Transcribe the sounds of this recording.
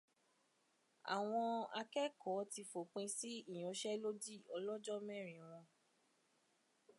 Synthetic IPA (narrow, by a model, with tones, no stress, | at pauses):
a̰˨w̃ɔ̃˧a̰˧kɛ˦kʰɔ˨˦ti˧fo˨k͡pẽ˧si˦ĩ˦˨ɔ̃˨˧˦ʃɛ˦lo˦di˦ɔ˧lɔ˦d͡ʒɔ˦mɛ̃˦˨ɾ̃ĩ˨w̃ɔ̃˧